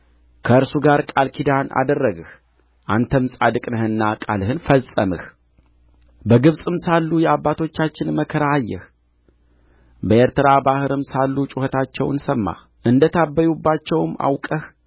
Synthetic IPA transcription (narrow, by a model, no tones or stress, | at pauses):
kʰəɨɾsuɡaɾkʼalkʰid̪anʔa̰d̪ərːəɡɨh | ʔant̪ʰəmsʼad̪ɨkʼnəhɨnːakʼalhɨnfəsʼəmɨ̰h | bəɡɨβsʼɨmsalːujɛabːat̪ʰo̞t͡ʃːat͡ʃːɪnməkʰəɾaːjːɛ̰h | bəe̞ɾt̪ʰɨɾabahɨɾɨmsalːut͡ʃʼuhət̪ʰat͡ʃːɛwɨnsəmːa̰h | ʔɨnd̪ət̪ʰabːəjubːat͡ʃːɛwma̰wkʼəh